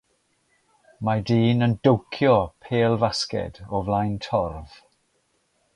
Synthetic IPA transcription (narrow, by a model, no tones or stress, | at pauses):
madiːnəndowkʰjɔpʰeːlˠvaskɛ̰d̥ɔvlajntʰɔrv̥